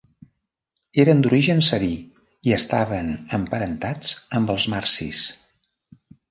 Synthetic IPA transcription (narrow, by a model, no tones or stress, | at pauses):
eɾənd̪uɾiʒənsəβi | iəst̪aβənəmpəɾənt̪ad͡zəmbəlˠzmarsḭs